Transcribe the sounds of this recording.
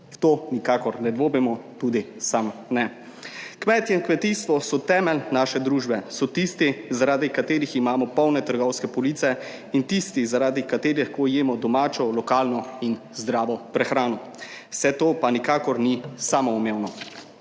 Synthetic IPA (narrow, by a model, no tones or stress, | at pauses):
t̪oːnikaːkɔɾnɛd̪ʋoːbimɔt̪ud̪isamnɛ | kmɛːt̪jɛinkmɛt̪ist̪ʋɔsɔt̪ɛːmɛlnaːʃɛd̪ɾuːʒbɛsɔt̪ist̪izaɾaːd̪ikat̪eːɾiximaːmɔpɔwnɛt̪əɾɡɔwskɛpɔlit̪sɛ | int̪ist̪izaɾaːd̪ikat̪eːɾixkojeːmɔd̪ɔmaːt͡ʃɔlɔkaːlnɔin | zd̪ɾaːʋɔpɾɛxɾaːnɔ | wsɛt̪oːpanikaːkɔɾnisaːmɔumeːwnɔ